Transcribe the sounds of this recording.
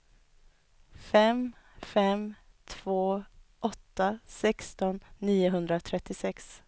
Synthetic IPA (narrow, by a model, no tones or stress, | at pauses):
fɛmfɛm | t̪ʰv̥oːʔɔt̪ːasɛkst̪ɔnːiːʊɦɵnd̪ɾat̪ʰɾɛt̪ːɪsɛks